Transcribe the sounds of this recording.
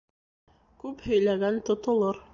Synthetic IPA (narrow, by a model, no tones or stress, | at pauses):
kʉphɵ̆jlæɡænt̪ŏt̪ŏlˠoɾ